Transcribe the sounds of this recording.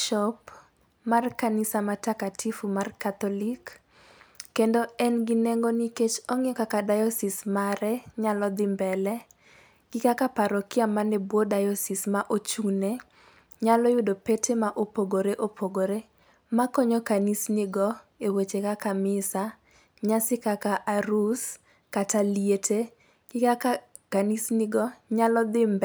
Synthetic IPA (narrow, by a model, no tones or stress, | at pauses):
ʃɔp | markanɪsamatakatʰifumarkat̪ɔlikː | endoɛnɡɪneŋɡoniket͡ʃɔŋɔkakadajɔsɪsmaɾɛɲalɔd̪ɪmbɛlɛ | ɡ̥ɪkakapaɾɔkɪamanebwodajɔsismaʔot͡ʃune | ɲalɔjʊdopetʰemaʔopoɡoɾeʔopʰoɡoɾe | makoɲokanisnɪɡɔewet͡ʃekakamɪsa | ɲasɪkakaʔaɾus | katalietʰe | ɡ̥ɪkaa | kanisnɪɡɔɲalɔd̪ɪmbɛ